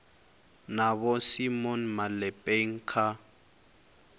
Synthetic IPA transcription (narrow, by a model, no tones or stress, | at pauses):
naβɔsimɔnmalɛpʼeŋ̩kʰa